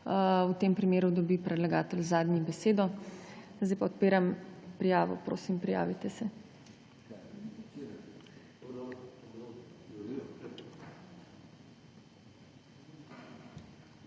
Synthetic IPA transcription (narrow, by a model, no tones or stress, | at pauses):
ut̪eːmpɾimeːɾud̪ɔbipɾɛd̪laɡaːt̪ɛlzaːd̪nʲibɛseːd̪ɔ | zd̪ajpaɔt̪̚peːɾampɾijaːʋɔ̰pɾo̰ːsimpɾija̰ːʋit̪ɛsɛ